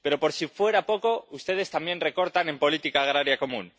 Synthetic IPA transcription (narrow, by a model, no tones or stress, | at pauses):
pe̞ɾo̞po̞ɾsifwe̞ɾapo̞ko̞ust̪e̞ð̞e̞st̪ambje̞nreko̞ɾt̪anẽ̞mpo̞lit̪ikaːɣ̞ɾaɾjako̞mũn